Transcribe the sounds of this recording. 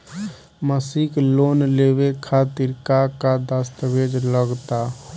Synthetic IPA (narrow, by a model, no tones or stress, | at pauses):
məsikloːnleːwekʰaːt̪ɪɾkakad̪əst̪əʋeːd͡ʒləɡt̪a